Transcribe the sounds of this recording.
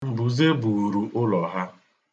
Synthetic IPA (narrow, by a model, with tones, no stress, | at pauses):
m̩˨bu˨ze˦bu˨ɾu˨ʔʊ˦lɔ˨ɦa˦